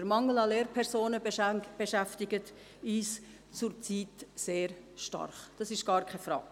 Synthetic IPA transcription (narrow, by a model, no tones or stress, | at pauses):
əɾmɑŋːəl̩ɑleːɾpʰɛɾsoːnəb̥eʃæftɪɡət | iːs | t͡sʊɾt͡siːtseːɾʃtɑ̰rχd̥ɑsɪʃɡ̥ɑːɾkʰɛfɾɑ̰ːk